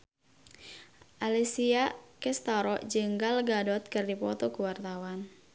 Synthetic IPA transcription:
ʔalisiakɛst̪aɾɔd͡ʒəŋɡalɡadɔt̪̚kɨrdipɔt̪ɔkuwart̪awan

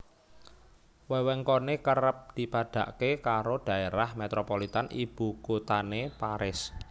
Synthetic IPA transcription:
wɛwɛŋkonekəɾəp̚d̪̥i̤pad̪̥a̤̰ʔkekaɾoɖ̪̥ä̤eɾahmet̪ɾopolit̪anʔib̥ṳkut̪anepaɾɪs

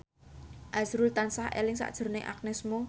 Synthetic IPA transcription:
ʔasɾult̪ansahʔḛlɪŋsa̰ʔd̥ʒ̥ə̤rnɪŋʔa̰k̚nɛsmo

